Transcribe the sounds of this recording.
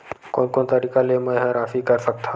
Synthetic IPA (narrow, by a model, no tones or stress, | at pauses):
konkoːnt̪əɾiːkalemə̃jɦãɾaːfikəɾsək̚t̪ʰa